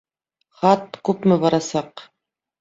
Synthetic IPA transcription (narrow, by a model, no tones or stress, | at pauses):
χɑt̪kʉpmɘbɑɾɑsɑq